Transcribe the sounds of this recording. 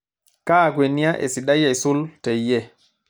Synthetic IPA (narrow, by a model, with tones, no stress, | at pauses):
kaː˦˨ɡwe˨ni˦ja˦ʔḛ˨si˨ɗa˦jːa˨jsu˦lte˨jːɛ˦